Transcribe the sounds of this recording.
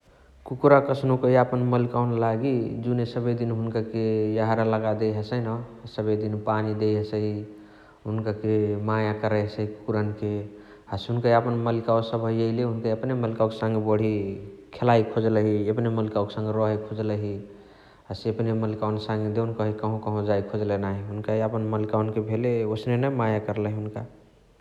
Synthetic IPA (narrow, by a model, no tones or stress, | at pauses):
kukɾakəsnokəɦiapənməlikawnlaɡid͡ʒunesəbəd̪inɦunkakejaɦɾaləɡad̪eɦəsəjnəsəbəjd̪inpanid̪ejɦəsəɦi | ɦunkakemajakəɾəɦəsəɦiku̥kɾənke | əsɦunkaəpənməlikaosəbʱəjeɪleɦunkaəpneməlikaokesə̃ŋɡebəɽ̤ikʰelaikʰod͡ʒləɦiepneməlkaokesə̃ŋɡeɾɔɦəkʰod͡ʒləɦi | ɦəseəpneməlikaonsaŋɡed̪eunkəɦikəɦõkəɦõd͡ʒaikʰod͡ʒlenaɦiɦunkaiəpənməlikaunkebʱeleosnenəmajakəɾləɦiɦunka